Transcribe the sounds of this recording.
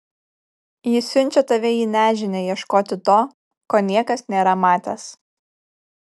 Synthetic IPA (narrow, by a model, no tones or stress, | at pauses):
jɪsʲʊnʲˑt͡ʃʲɛt̪ɐʋʲɛjiːnʲæːʒʲɪnʲejiɛʃkoːt̪ʲɪt̪oː | koːnʲiɛkɐsnʲeːɾɐmɑːt̪ʲɛs